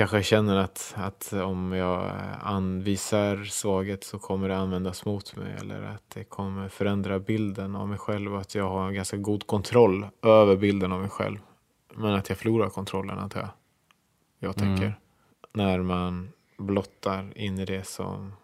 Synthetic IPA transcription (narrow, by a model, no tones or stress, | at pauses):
kʰanɧəjɑɕɛnːəɾat̪at̪ʰɔmjɑːa̰nviːsaɾsvɑːɡət̪sɔkʰɔmːəɖɛanvɛnd̪asmʊt̪mɛ̰jɛ̰lːə̰ɾa̰t̪̚d̪ɛkʰɔmːəɾfœɾɛnd̪ɾabɪld̪əna̰vmɛjɧɛlvɔat̪ʰjɑːɡɦaɡanskaɡuːd̪kʰɔnt̪ʰɾɔlːøːvəɾbɪld̪ənavmɛjɧɛ̰lv | mɛnat̪ʰjɑɡfœɭuːɾaɾkʰɔnt̪ʰɾɔlːə̰na̰t̪ʰɑ̰ | jɑːɡt̪ʰɛkːəɾ | næɾman | blɔt̪ʰːaɾɪnːɪd̪ɛsɔ̰m